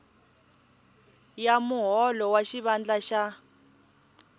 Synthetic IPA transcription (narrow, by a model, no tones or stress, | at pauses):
jamuɦɔlɔwaʃiβand͡ɮaʃa